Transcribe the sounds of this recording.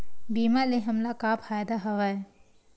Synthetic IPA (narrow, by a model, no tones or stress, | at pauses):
biːmaleɦɐmlakaːpʰaːjd̪aɦɐʋaj